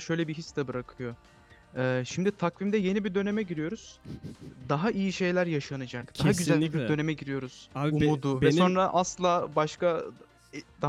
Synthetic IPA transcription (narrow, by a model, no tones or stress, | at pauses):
ʃø̞jlʲɛbiɦisːd̪ɛbɯɾakʰɯjo̞ | ɛːʃimd̪it̪ʰakvimd̪ɛje̞nibid̪ø̞ne̞mɛɟiɾijo̞ɾuz̥ | d̪aɦaʔijiʃe̞jlʲæɾjaʃanɯd͡ʒakd̪aɦɦaɟyzælʲbibid̪ø̞nemɛɟiɾijo̞ɾuz̥umud̪uvɛso̞nɾaʔaslˠaːbaʃka | d̪a